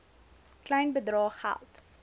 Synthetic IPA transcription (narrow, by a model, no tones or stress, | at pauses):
klɛjnbədrɑːχæ̰lˠt